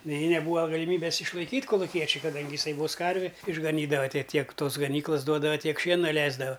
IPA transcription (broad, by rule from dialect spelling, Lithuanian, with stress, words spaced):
nʲɛɪ nʲɛˈbuːɐ ɡɐlʲɪˈmʲiːbʲɛs ɪʃlˠɐɪˈkʲiːtʲ koːlˠʊˈkʲiɛt͡ʃʲʊɪ kɐˈdɐŋʲɡʲɪ jɪˈsɐɪ ʋoːs ˈkɐrʲʋʲɪ ɪʒɡɐˈnʲiːdɐʋɐ ˈtʲiɛ ˈtʲiɛk ˈtoːs ɡɐˈnʲiːklˠɐs ˈduɔdɐʋɐ ˈtʲiɛk ˈʃʲiɛnɐ ˈlʲɛɪzdɐʋɐ